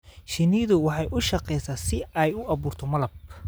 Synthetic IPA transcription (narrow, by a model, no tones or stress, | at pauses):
ʃɪniːðʊwɑħɑjʔʊʃɑqɛjsasɪɛjʊʔɐβuːrt̪ʰɔmɐlɐb̚